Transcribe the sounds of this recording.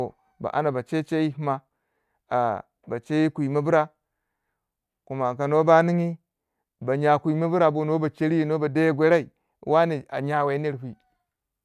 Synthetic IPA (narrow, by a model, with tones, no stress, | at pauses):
o˨ | ba̰˨ʔa̰˦na˨ba˨t͡ʃe˦t͡ʃe˦ji˦hma˦ | a̰˨ | ba˨t͡ʃe˦ji˦kʷi˨ma˦bu˦ɾa˦ | ku˨ma˨ka˨no˦ba˦ni˦ŋi˦ | ba˨ɲa˨kʷu˨i˨ma˦bu˦ɾa˨bo˦no˦ba˨t͡ʃe˦ɾi˦i˦no˦ba˨da˦jɡʷe˦ɾa˦i˨˦ | wa˦ni˨a̰˨ɲa˦we˨˦ni˦ɾɦʷi˨